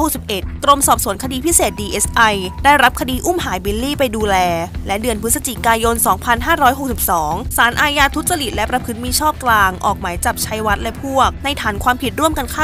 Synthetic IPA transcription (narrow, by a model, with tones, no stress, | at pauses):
ho˨˩k̚si˨˩p̚ʔe˨˩t̪̚ːɾo˧msɔː˨˩p̚su˨˩˦ənkʰa˧diː˧pʰi˦˥seː˨˩t̪̚diː˧ʔe˦˥sʔa˧jdaː˥˩jɾa˦˥p̚kʰa˧diː˧ʔu˥˩mɦaː˩˦jbi˦˧˥lːiː˥˩pa˧jduː˧lɛː˧lɛ˦˥dɯ˧ənpʰɯ˦˥t̪̚sa˧t͡ɕi˨˩kaː˧jo˧nsɔː˩˦ŋpʰa˧nɦaː˥˩ɾɔː˦˥jɦo˨˩k̚si˨˩p̚sɔː˩˦ŋsaː˩˦nʔaː˧jaː˧t̪ʰu˦˥t̪̚sa˧li˨˩t̪̚lɛ˦˥pɾa˧pʰɯ˦˥t̪̚miː˧t͡ɕʰɔː˥˩p̚klaː˧ŋʔɔ̰ː˨˩k̚maː˩˦jt͡ɕa˨˩p̚t͡ɕʰa˦˥jwa˦˥t̪̚lɛ˦˥pʰu˥˩ək̚na˧jt̪ʰaː˩˦nkʰwaː˧mpʰi˨˩t̪̚ɾu˥˩əmka˧nkʰa˥˩